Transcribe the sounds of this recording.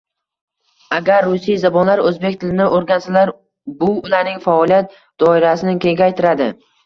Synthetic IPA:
aɡʲaɾːʊsijzabɒnlaɾɵzbekʲt̪ʰɪlɪnɪʔoɾɡʲansalaɾ | bʊʊlaɾnɪŋfaɒlˠijat̪̚ | d̪̥ɒɪɾasɪnɪkʲʰe̞ŋɡʲajt̪ʰɪɾad̪ɪ

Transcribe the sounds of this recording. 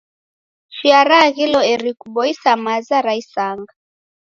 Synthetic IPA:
ʃiaɾaɣilɔɛɾikuɓɔisamazaɾaisaŋɡa

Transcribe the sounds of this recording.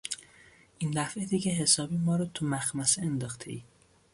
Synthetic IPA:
ʔind̪æfed̪iceɦesɒːbiːmɒːɾɒt̪ʰumæxmæseend̪ɒxt̪ʰe̞̰ʔiː

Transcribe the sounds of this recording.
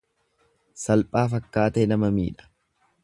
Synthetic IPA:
sɐlpʼaːfɐkːaːt̪ɛnɐmɐmḭːᶑɐ̥

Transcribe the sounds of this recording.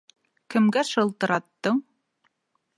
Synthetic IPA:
kɘ̆mɡæʃɤ̆lˠt̪ɤ̆ɾɑt̪ːɤɴ

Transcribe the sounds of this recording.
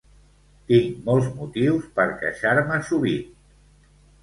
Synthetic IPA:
t̪iŋmɔlˠzmut̪iwspəɾkə̰ʃaɾməsuβit̪

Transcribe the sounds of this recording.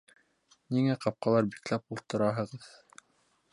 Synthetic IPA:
niŋæqɑp̚qɑlˠɑɾbiklæp̚ulˠt̪ɤ̆ɾɑɦɤ̆ʁɤð

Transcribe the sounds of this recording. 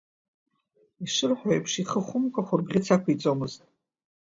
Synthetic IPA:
iʂɨrħʷᶣajpʰʂiχəχʷʊmkʷʼaχʷʊrbʁʲɪt͡sʰakʷʰit͡sʼomɨztʼ

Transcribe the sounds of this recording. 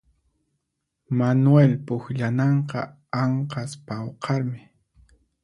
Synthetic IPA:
manwelpʊxʎanɑɴqɑ̰ | aɴqɑspawqʰɑɾmɪ

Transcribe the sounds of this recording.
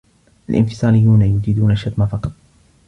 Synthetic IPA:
ʔalʔɪ̰nfɪ̥sˤɑːlɪjːuːnajʊd͡ʒid̪uːnaʃːat̪mafɑqɑt̪ˤ

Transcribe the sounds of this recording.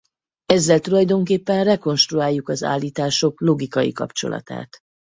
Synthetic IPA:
ɛzːɛlt̪ulɒjd̪o̞ŋkeːpːɛnrɛko̞nʃt̪ruaːjːukɒza̰ːlːiːt̪aːʃo̞klo̞ɡikɒjḭkɒ̰pt͡ʃo̞̰lɒ̰t̪a̰ːt̪

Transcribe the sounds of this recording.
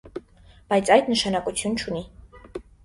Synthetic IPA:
b̥ɑjt͡sʰɑjd̪nəʃɑnɑkʼut͡sʰjunt͡ʃʰuni

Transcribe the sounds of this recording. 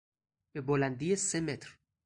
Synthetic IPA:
b̥ebolænd̪ijese̞met̪ʰɾ

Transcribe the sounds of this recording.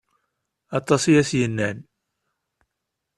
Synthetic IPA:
ɑt̪ˤːɑsijæsjənːæn

